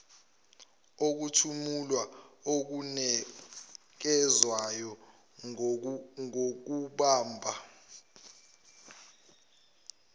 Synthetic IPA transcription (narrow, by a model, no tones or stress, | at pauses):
ok̬utʰumulwaok̬unɛ | k̬ɛzwajɔ | ŋok̬uɓaːmbʱa